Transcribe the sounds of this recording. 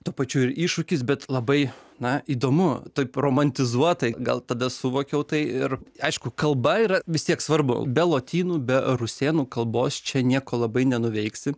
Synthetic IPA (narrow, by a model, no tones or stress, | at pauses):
t̪uːpɐt͡ʃʲuːɪɾiːʃʊkʲɪs̬bʲɛt̪lˠɐbɐɪnɐiːd̪oːmʊt̪oɪproːmɐnʲt̪ʲɪzuɔt̪ɐɪɡɐ̰lˠt̪ɐd̪ɐsʊʋoːkʲɛʊt̪ɐɪɪrɐɪʃkʊkɐlˠbɐiːɾɐʋʲɪst̪ʲiɛksʋɐrbʊ̰bʲɛlˠoːt̪ʲiːnuːbʲɛrʊsʲeːnuːkɐlˠboːst͡ʃʲɛnʲiɛkoːlˠɐbɐɪnʲɛnʊʋʲɛɪksʲɪ